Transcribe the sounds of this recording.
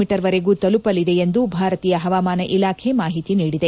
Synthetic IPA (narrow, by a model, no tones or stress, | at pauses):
miʈɐɾʋɐɾeɡuːt̪ɐlupɐlid̪e̞end̪ubʱaːɾɐt̪iːjɐɦɐʋaːmaːnɐʔilaːkʰe̞maːɦit̪iniːɽid̪e